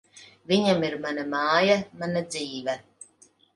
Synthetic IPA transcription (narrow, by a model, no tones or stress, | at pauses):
viɲamiɾmanamɑːjamanad̪ziːvɛ